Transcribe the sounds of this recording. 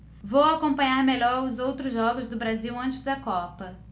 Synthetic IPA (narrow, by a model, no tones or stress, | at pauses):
vowakõpɐ̃ɲaɾmeʎɔɾʊzowt̪ɾʊzʒɔɡʊzd̪ʊbɾaziwɐ̃nt͡ʃɪzd̪ɐkɔpɐ